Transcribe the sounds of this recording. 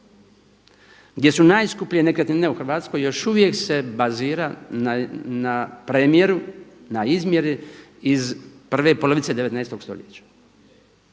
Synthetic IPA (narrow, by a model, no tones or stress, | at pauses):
ɡd̪ʲje̞sunaːjskuplʲijenekɾet̪ine̞uxr̩ʋaːt̪sko̞jo̞ʃuʋje̞kse̞baziːɾaanapɾemje̞ɾunaizmje̞ɾiizpr̩ʋe̞poloʋit̪se̞d̪eʋet̪nɛːst̪o̞ɡst̪o̞̰ʎjet͡ɕḁ